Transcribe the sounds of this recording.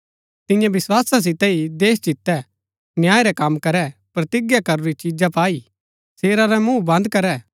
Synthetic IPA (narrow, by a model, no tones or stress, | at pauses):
t̪ɪ̃jãbɪswaːsas̬ɪt̪ɛid̪eːsd͡ʒɪt̪ːɛ | njaːeɾɛkɐmkɐɾɛpɾɐt̪ɪɡjakɐɾoɾit͡ʃiːd͡ʒapaːi | seːɾaɾɛmũːbɐ̃nd̪̚kɐɾɛː